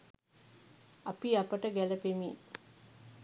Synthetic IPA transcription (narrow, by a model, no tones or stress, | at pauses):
apiapəʈəɡæləpemiː